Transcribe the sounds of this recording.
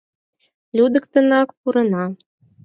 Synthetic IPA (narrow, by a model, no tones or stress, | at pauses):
lʲud̪ɤ̆kt̪ɤ̆nɑkpuɾɤ̆nɑ